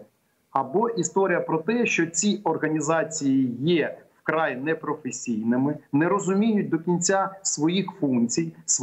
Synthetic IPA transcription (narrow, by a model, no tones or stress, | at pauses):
ɐbɔʔist̪ɔɾʲijɐpɾɔt̪ɛʃt͡ʃɔt͡sʲiɔrɦɐnʲizɑt͡sʲijijɛwkɾɑjnɛpɾɔfesʲijnɪmɪnɛɾɔzʊmʲijʊt̚ʲd̪ɔkʲinʲt͡sʲasʋɔjixfunt͡sʲijs